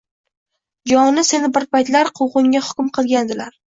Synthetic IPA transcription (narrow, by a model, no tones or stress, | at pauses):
d͡ʒɒŋnɪse̞nɪbɪɾpajt̪laɾqʰowʁɨŋʲahʊ̥kʲʊmqʰɨlˠɡʲand̪ɪlaɾ